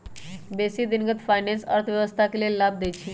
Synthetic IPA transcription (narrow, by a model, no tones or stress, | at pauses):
besid̪inɡət̪fajnensə̰ɾt̪ʰʋjəʋəst̪ʰakelelab̚d̪ejt͡ɕʰi